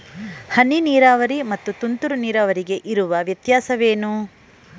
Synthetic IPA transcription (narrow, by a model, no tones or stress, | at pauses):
hɐnːiniːɾaːʋɐɾimɐt̪ːut̪unt̪uɾuniːɾaːʋɐɾiɡe̞ʔiɾuʋɐʋjɐt̪jaːsɐʋeːnu